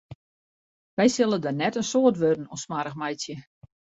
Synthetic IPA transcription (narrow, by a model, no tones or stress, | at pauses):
ʋɛjsɪlˠədənɛtənsoətʋødən̩onsmaɾəxmɛjsjə